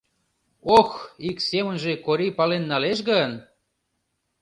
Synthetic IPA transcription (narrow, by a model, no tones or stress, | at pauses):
oxiksemə̆nʒekoɾipɑlenːɑleʃ̬ɣən